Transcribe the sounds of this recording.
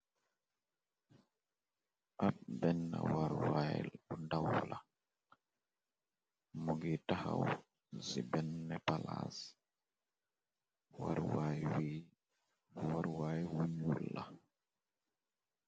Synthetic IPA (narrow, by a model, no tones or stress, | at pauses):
ʔab̚bɛnːa̰waɾwajɛlundawla | muɡitahaw | zibɛnːɛpalas | waɾwajwi | waɾwajwuɲulːa